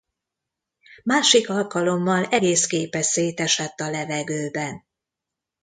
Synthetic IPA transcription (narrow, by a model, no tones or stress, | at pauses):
maːʃikɒlkɒlo̞mːɒlɛɡeːskeːpɛseːt̪ɛʃɛt̪ːɒlɛvɛɡøːbɛn